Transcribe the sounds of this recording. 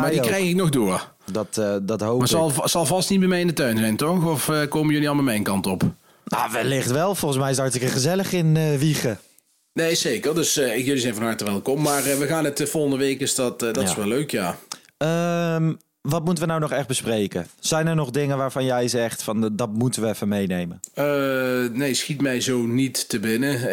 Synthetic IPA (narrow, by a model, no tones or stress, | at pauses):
mmaːɹdikrɛjxɪk̚nɔxdʊːr | dɑtːdɑtɦowmaːsɑlˠsɑlˠvɑstnit̚bɛjmɛjɪndətœɥnzɛjntɔxɔfəkoːwməjɵliɑlˠmamɛjnkɑntɔp | na̰ːʋɛlɪχtʋɛlˠfɔlˠχən̩s̬mɛjɪsdaːɹtɪkəχəzɛləχɪnəʋiχə | nejzejkərdɵsɪkjɵlizɛjnvɑnɦɑɹtəʋɛlˠkɔmːaːrʋəɣaːnətəvɔlˠχəndəʋejkɪsdɑtːdɪ̥sʋɛløɥkjaː | əm | ʋɑt̚mutəʋənawnɔχɛχdbəsprejkəz̥ɛjnəɹnɔχdɪŋənʋaːɹvɑnjɛjzɛχtfɑndɑtmutəʋəɛfəmejnejmənənejsxitmɛjzownitːəbɪnə